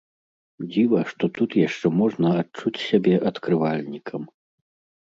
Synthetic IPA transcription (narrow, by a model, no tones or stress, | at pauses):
d͡zʲivɐʂt̪ɔt̪ut̪jaʂt͡ʂɛmɔʐnɐat͡ʂut͡sʲsʲabʲɛʔɐt̪kɾɨvalʲnʲikʰɐm